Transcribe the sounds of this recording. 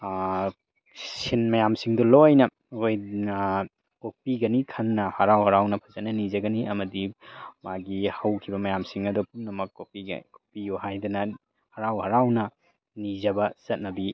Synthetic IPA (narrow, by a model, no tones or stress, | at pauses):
sinmɐjamsiŋdɔlojnɐ | oj | kopiɡɐnikʰɐnːɐhɐɾawhɐɾawnɐpʰɐzɐnɐnizɐɡɐniɐmɐdimaɡihɐwkʰibɐmɐjamsiŋɐdupumnɐmɐkːopḭko̥pijuhajdɐnɐ | hɐɾawhɐɾawnɐ | nizɐbɐsɐt̚nɐbi